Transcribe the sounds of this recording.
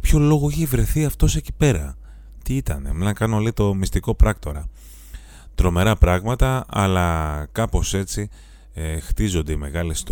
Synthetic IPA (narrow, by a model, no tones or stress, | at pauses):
pço̞lo̞ɣo̞içevɾe̞θiɐft̪o̞seci̥pe̞ɾɐ̰ | t̪iit̪ɐne̞menɐkɐnolit̪o̞mist̪iko̞pɾɐkt̪o̞ɾɐ | t̪ɾo̞me̞ɾɐpɾɐɣmɐt̪ɐɐlɐkɐpo̞se̞t͡si | ext̪izo̞nd̪e̞ime̞ɣɐlest̪